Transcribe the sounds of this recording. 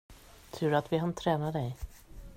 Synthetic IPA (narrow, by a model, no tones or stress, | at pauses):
t̪ʰʉ̟ːɾat̪vɪɦant̪ʰɾɛːnad̪ɛj